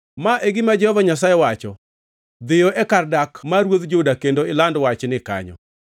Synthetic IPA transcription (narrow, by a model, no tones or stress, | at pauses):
maʔeɡɪmad͡ʒɛhɔvaɲasajɛwat͡ʃɔ | d̪ɪjɔʔɛkardakmaɾwoðd͡ʒʊdakendoɪlandwat͡ʃnɪka̰ɲɔ̰